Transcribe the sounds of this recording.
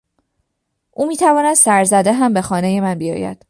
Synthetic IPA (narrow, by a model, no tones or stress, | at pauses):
ʔuːmiːt̪ʰævɒːnæd̪̥sæɾzæd̪eɦæmbe̞xɒːne̞je̞mænbijɒ̰ːjæ̰d̪̥